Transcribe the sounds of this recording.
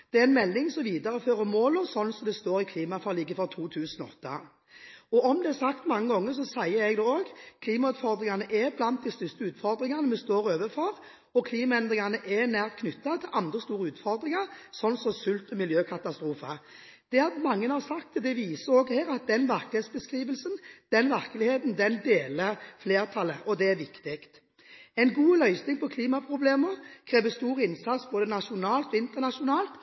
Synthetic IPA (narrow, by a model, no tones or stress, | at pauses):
d̪̥ɛæɾɛnmɛlːɪŋsɔʋiːd̪ɑɾəføːɾəmoːlɔsɔnːsɔmd̪ɛst̪oːɾɪkʰliːmɑfɑɾliɡːəfɔɾt̪ʰuːt̪ʰʉːsənɔɔ̰t̪ːɑ̰ | ɔɔmd̪ɛæsɑkt̪mɑŋːəɡɔŋːəsɔsæɪəɛɡd̪ɛoːɡkʰliːmɑʉːt̪fɔɾd̪ɾɪŋanəʔɛblɑnt̪̚d̪ɪst̪ʏst̪əʉːt̪fɔɾd̪ɾɪŋɑnəmɛst̪oːɾoːʋəfɔɾ | ɔkʰliːmɑɛnd̪ɾɪŋanəʔɛnæːʁt̪̚kʰnʏt̪ːɑt̪ʰɪlʔɑnd̪ʁəst̪uːɾəʉːt̪fɔɾd̪ɾɪŋɑɾsɔnːsɔsʉlt̪ɔmɪljøːkʰɑt̪ɑst̪ɾuːfə | d̪̥ɛɑmɑŋːənhɑsɑkt̪ʰːəd̪ɛʋiːsəoːɡheːɾɑt̪̚d̪ɛnʋæʁklɪheːt̪sbəskʁiːʋəlsənd̪̥ɛnʋæʁklɪheːt̪nd̪ɛnd̪eːləʁfleːʁt̪ʰɑlːəʔɔd̪ɛæʋɪkt̪ɪkt̪ | ɛɪnɡuːlœʏsnɪŋpʰɔkʰliːmɑpʰɾʊbleːməʁkʰɾeːʋəst̪uːɾəɪnsɑt̪sboːd̪ənɑʃʊnɑːlt̪ɔɪnt̪əʁnɑʂʊnɑːlt̪